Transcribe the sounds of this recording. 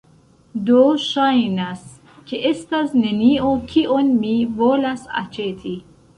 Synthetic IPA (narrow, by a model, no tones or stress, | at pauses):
d̪oʃainas | kʰeʔest̪azneniokʰiʔonmivoːlasa̰t͡ʃʰet̪ʰi